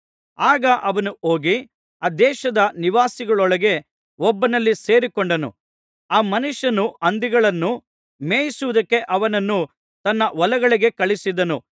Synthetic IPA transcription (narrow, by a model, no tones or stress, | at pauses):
aːɡɐʔɐʋɐnuoːɡi | aːd̪ɛːʃɐd̪ɐniʋaːsiɡɐɭɔɭɐɡe̞ | ɔbːɐnɐlːise̞ːɾikɔɳɖɐnṵ | aːmɐnuʂɐnuʔɐnd̪iɡɐɭɐnːu | meːjisuʋud̪ɐkːe̞ʔɐʋɐnɐnːu | t̪ɐnːɐʋɔlɐɡɐɭiɡe̞kɐɭisid̪ɐnu